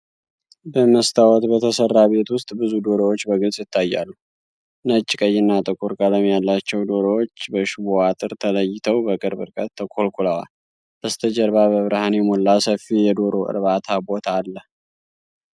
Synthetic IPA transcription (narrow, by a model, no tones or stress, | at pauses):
bəməst̪ʰawɔt̪bət̪ʰəsərːaβe̞t̪wʊst̪ʼbɨzud̪o̞ɾəwot͡ʃːbəɡɨlsʼjɪt̪ʰːajːa̰lːu | nət͡ʃʼːkʼəjːɪnːat̪ʼɨkʼuɾkʼaləmjalːat͡ʃːɛwd̪o̞ɾowot͡ʃːbəʃuwoat̪ʼɨɾt̪ʰələjːɪt̪ʰəwbəkʼɨɾbɨ̰ɾkʼət̪ːəkʰo̞lkʰʼulawa̰ | bəst̪ʰəd͡ʒəɾβabəβɾəhanemolːasəfːijɛd̪o̞ɾo̞ʔɨ̰ɾβat̪ʰabo̞t̪ʰaːlːəh